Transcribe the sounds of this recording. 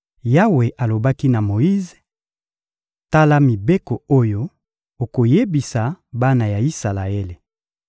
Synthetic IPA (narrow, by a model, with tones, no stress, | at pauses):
ja˦we˨ʔa˨lo˨ba˦ki˦na˨mo˨i˦ze˨ | ta˦la˦mi˨be˦ko˨o˦jo˦ | o˨ko˨je˦bi˨sa˨ba˦na˨ja˨i˦sa˨la˨e˦le˨